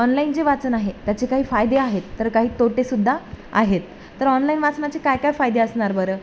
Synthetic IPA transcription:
ɔnlaint͡seʋat͡sənaɦet̪jat͡ɕikaɦiːfajd̪eaɦet̪ːəɾkaɦiːt̪oʈesud̪ʱːaa̰ɦet̪ː | əɾɔnlainʋat͡snat͡ɕekajkajfajd̪eəsɳaɾbəɾə

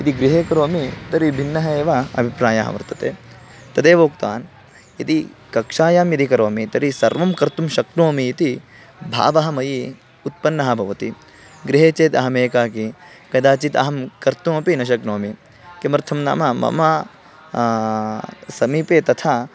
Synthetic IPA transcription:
it̪iɡɾiɦeːkɐɾoːmit̪ɐɾibʱinːɐɦɐeːʋaɐ̰bʱipɾaːjaːɦɐ̰ʋɐ̰ɾt̪ɐt̪eː | t̪ɐd̪eːʋoːkt̪a̰ːn | jɐt̪ikɐkʂaːjaːmjɐd̪ikɐɾoːmit̪ɐɾisɐ̰ɾʋɐmkɐɾt̪umʃɐknoːmiːt̪i | bʱa̰ːʋɐɦɐmɐji | ut̪̚pɐnːɐɦɐbʱɐʋɐt̪i | ɡɾiɦeːt͡ʃeːt̪ɐɦɐmeːkaːki | kɐd̪aːt͡ʃit̪ɐ̰ɦɐmkɐɾt̪umɐpinɐʃ̬ɐknoːmi | kemɐɾt̪ʰɐmna̰ːmɐmɐ̰mɐ | sɐmiːpeːt̪ɐt̪ʰaː

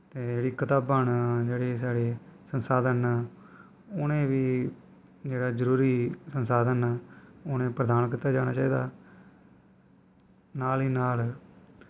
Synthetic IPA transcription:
t̪eːd͡ʒeːɽiːkət̪aːbaːnd͡ʒeːɽeːs̬aːɽeːsənsaːd̪ənː | ʊnẽːʋiː | d͡ʒeːɽaːzəɾuːɾiːsənsaːd̪ənaːʊnẽːpɾəd̪aːnkiːt̪ːaːd͡ʒaːɽ̃a̰ːt͡ʃaːiːd̪a̰ː | naːliːnaːl

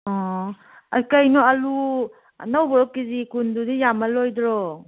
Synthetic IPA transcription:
ɔ | akajnɔalu | nawbɔɾɔkizikundudijamalojdɾɔ

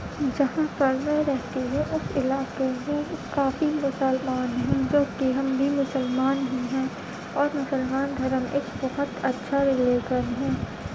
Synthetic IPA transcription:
d͡ʒɐɦãpɐɾmɛ̃ɾɛɦt̪iɦɛ̃ʔʊsɪlaːkeɦɛ̃kaːfimʊsəlmaːnɦĩd͡ʒoːkiɦɐmbʱimʊsəlmaːnɦĩɦɛ̃ | ɔːɾmʊsəlmaːnd̪ʱɐɾəmʔeːkbɐɦʊt̪ɐtːʃʰaɾɪleːɡəɾɦɛ̃ː

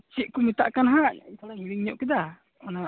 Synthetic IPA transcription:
t͡ʃiʔkumit̪a̰ʔkanɦaʔa̰salamiliŋɲɔʔkid̪ah | ɔna

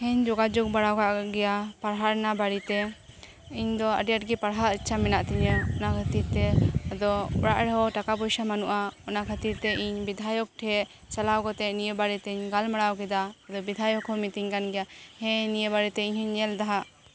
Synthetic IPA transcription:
hɛɲd͡ʒɔɡad͡ʒɔk̚baɽawkaʔɡɛjapaɽɦaɾnabaɽit̪ɛ | iɲd̪ɔə̰ɖjaʈ̚ɡɛpaɽɦaɾit͡ʃʰamɛnaʔt̪ɛɲəɔnakʰat̪iɾt̪ɛad̪ɔɔ̰ɽaʔɽɛɦɔʈakapɔjsamanuʔaɔnakʰat̪iɾt̪ɛʔiɲbid̪ʱajɔk̚ʈʰɛɛ | t͡ʃalawkɔt̪ɛnijəbaɽit̪ɛiɲɡalmaɽawkɛd̪aːd̪ɔbid̪ʱajɔkɦɔmit̪iɲkanɡɛjahɛ̃nijəbaɽit̪ɛiɲhiɲːɛld̪aɦaʔ

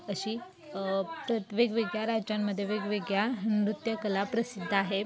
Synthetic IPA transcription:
əɕiː | pɾət̪ʋeɡʋeɡjaɾad͡ʑamːəd̪ʱːjeʋeɡʋeɡjaɦənɾut̪jəkəlapɾəsid̪ʱːaɦe

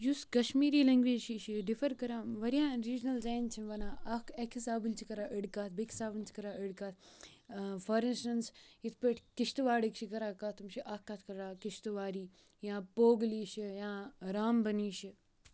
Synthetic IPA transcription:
juskɐʃmiːɾiːlẽŋɡʋiːd͡ʒt͡ʃiʃiɖifʰɐɾkɐɾãːʋɐɾijãːɾiːd͡ʒnɐld͡ʒaːnt͡ʃʰiʋɐnãːɐkekʰisaːbunt͡ʃʰikɐɾaːʔəɽkaːt̪̚bekʰi̥saːbɨnt͡ʃʰi̥kɐɾaəɽkaːt̪ | fʰɐɾinsʈɐnsit̪ʰpeʈʰkiʃt̪uʋaːɽikt͡ʃʰikɐɾaːkat̪ːumʃʰiʔakːaːt̪ʰkɐɾɾaːkiʃt̪uʋaːɾiː | jãːpoːɡliːʃijãːɾaːmbɐniːʃi

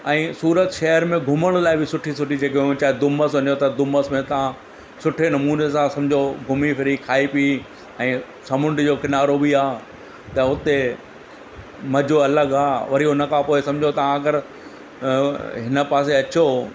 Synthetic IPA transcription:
ɛ̃ːsuːɾət̪ʃɐɦəɾmẽɡʱʊməɽ̃laːɪbɪsʊʈʰisʊʈid͡ʑeːkeʊ̃t͡ɕaːɦed̪ʊməsɐnjot̪ɐd̪ʊməsmẽt̪ɐʋ̤ã | sʊʈʰenɐmuːnesãsɐ̃md͡ʑʱoɡʱʊmifʰɪɾikʰaːipi | ɛ̃ː | sɐmʊ̃ɳɖd͡ʑoːkɪnaːɾobiaː | t̪ɐʊt̪e | mɐd͡ʑʱoɐləɡaːʋɐɾiʊnə̆kʰãpoːesɐ̃md͡ʑʱot̪ɐʋ̤ãɐɡəɾ | ɦɪnə̆paːs̬eɐt͡ɕo

